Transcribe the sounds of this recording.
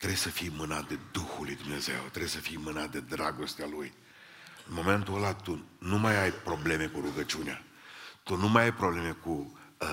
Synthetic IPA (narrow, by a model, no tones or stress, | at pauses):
t̪ɾe̞səfijmɨnat̪̚d̪e̞d̪uxulujd̪umne̞ze̞̰wt̪ɾebsəfijmɨnat̪̚d̪e̞d̪ɾaɡo̞st̪ealuj | ɨnmo̞me̞nt̪uəlat̪unumajajpɾo̞ble̞me̞kuɾuɡət͡ʃiunea | t̪unumajajpɾoble̞me̞ku